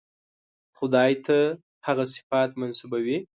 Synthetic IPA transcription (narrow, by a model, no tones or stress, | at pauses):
χʊd̪ɑjt̪ʰa | haɣas̬ɪ̥fat̪mansubawi